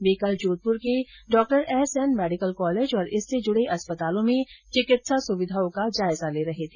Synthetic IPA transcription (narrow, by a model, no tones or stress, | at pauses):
beːkəld͡ʒoːt̪̚pʊɾkeɖɔːk̚ʈəɾɛːsɛnmɛːɖɪkəlkɔːleːd͡ʒɔːɾɪsːed͡ʒʊɽ̤eʔɐspət̪aːlõmẽt͡ʃɪkɪt̪sasʊʋɪd̪ʱaːõkad͡ʒaːɪzaleːɾɐɦet̪ʰeː